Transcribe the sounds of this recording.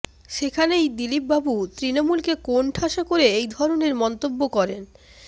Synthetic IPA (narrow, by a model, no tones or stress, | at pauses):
ʃekʰanejd̪ilip̚babut̪ɾinomulkekoɳʈʰaʃakoɾeejd̪ʱɔɾoneɾmɔnt̪obːokɔɾen